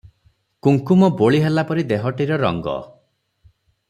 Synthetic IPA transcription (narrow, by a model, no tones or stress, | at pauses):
kuŋkumɔboɭiɦelapɔɾid̪eɦɔʈiɾɔɾɔ̰ŋɡɔ̰